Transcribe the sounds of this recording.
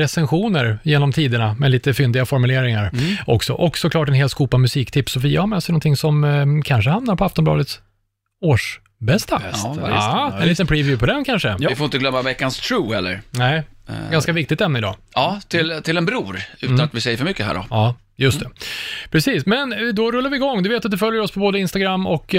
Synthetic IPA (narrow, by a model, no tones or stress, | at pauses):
ɾɛsɛnɧuːnəɾjeːnɔmt̪ʰiːd̪əɳamɛliːt̪əfʏnd̪ɪɡafɔɾmɵleːɾɪŋaɾɔksɔ̰ʔɔksɔkʰlɑːʈ̬ɛnɦeːlskuːpamɵsiːkt̪ʰɪpsɔfiːahamɛːsɛjnɔnt̪ʰɪŋːsɔmkʰanʂəhamnaɾpʰɔaft̪ɔnmblɑ̰ːd̪ət̪s | oːʂ | bɛst̪a̰ | ɛnliːt̪ənpʰɾiːvjʉpʰɔd̪ɛmkʰanʂəɪfoɾɪnt̪əɡlœmːavɛkːanst̪ʰɾuːhɛlːə̰ɾnɛɪɡanskavɪk̚t̪ɪɡt̪ɛmnəɪd̪ɑ̰ː | ɑːt̪ʰɪlt̪ʰɪlɛnbɾuːɾʉt̪anat̪vɪsɛjəɾfəɾmʏkːəɦæ̰ːɖɔ̰ɑː | jɵst̪ɛpʰɾɛsiːsmɛnd̪ɔɾɵlːaɾvɪɪɡɔŋːd̪ɵveːt̪at̪d̪ɛfœljəɾɔspʰɔboːd̪əɪnst̪aɡɾamːɔk